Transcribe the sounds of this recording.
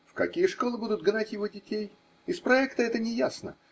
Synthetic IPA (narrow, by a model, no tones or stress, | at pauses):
fkɐ̰kʲijəʂko̞lˠɨbud̪ʊt̪̚ɡnatʲjɪvo̞dʲɪtʲej | ɪspɾɐɛkt̪əɛt̪ənʲɪjasnə̰